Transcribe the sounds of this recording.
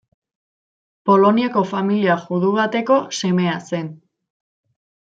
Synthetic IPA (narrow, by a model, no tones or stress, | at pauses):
po̞lo̞niako̞familiaʝuðuβat̪e̞ko̞se̞me̞ase̞n